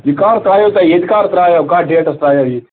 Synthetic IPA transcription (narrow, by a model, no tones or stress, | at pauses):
ikaːɾt̪ɾaːjot̪ajed̪ikaːɾt̪ɾaːjakaːɖeːʈɐst̪ɾaːjaji